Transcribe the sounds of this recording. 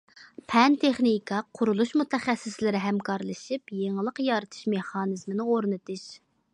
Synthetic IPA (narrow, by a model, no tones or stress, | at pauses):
pʰɛnt̪ʰeχnikʰɑqʰʊɾulˠuʃmut̪ʰɛχɛsːɪslɪɾɪɦɛmkʰɑɾlˠɨʃipjeŋlˠəqjɑɾɨt̪ʰɨ̥ʃmeχɑːnɨzmɨnɪoɾnɨt̪ʰɨʃ